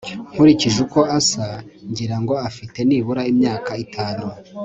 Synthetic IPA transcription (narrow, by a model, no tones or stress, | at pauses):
ŋ̥huɾiciʒuko̞asaɲɟiɾaŋɡo̞afite̞niβuɾaimɲaːkaitʰaːnu